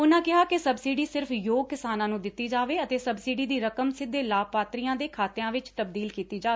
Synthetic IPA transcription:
ʊnãːkɪɦaːkɪsəbsiːɖiːsɪɾfjoːɡ̚kɪsaːnãːnũːd̪ɪt̪ːiːd͡ʒaːʋeːət̪eːsəbsiːɖiːd̪iːɾəkəmsɪd̪ːeːlaːpaːt̪ɾiːjãːd̪eːkʰaːt̪ːãːʋɪt͡ʃt̪əbd̪iːlkiːt̪iːd͡ʒaːeː

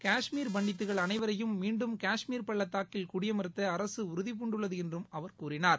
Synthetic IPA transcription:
kaːʂmiːɾbɐɳɖɪt̪̬ːɯɣɐɭɐnɐɪʋɐɾɐjɯmːiːɳɖɯmkaːʂmiːɾpɐɭːɐt̪ːaːkːɪlkʊɽɪjɐmɐɾɯt̪ːɐːɾɐsɯʊɾɯðɪp̬ʊɳɖɯɭːɐðɯɛndrɯmɐʋɐɾkuːɾɪnaːɾ

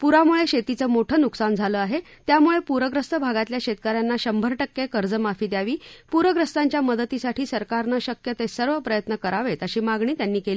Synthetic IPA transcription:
puɾamuɭeɕet̪it͡səmoʈʰəːnuksand͡zʱaləːaɦe | t̪jamuɭepuɾəɡɾəst̪əbʱaɡat̪ljaɕet̪kəɾjanːaɕəmbʱəɾʈəkːekəɾd͡zəmafiːd̪jaʋiːpuɾʋəɡɾəst̪aɲt͡ɕjaməd̪ət̪isaʈʰiːsəɾkaɾnaɕəkjət̪esəɾʋəpɾəjət̪nəkəɾaʋet̪əɕiːmaɡɳiːt̪janːiːkeliː

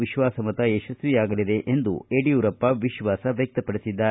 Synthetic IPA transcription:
ʋiʃʋaːsɐmɐt̪ɐeʃɐsʋiaːɡɐlid̪e̞ʔend̪ṵeɖijuːɾɐpːɐʋiʃʋaːsɐʋjɐk̚t̪ɐpɐɽisid̪ːaː

